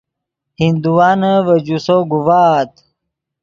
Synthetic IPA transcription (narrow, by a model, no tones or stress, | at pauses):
hind̪uwaːnəwɐd͡ʑusoɡuwaːt̪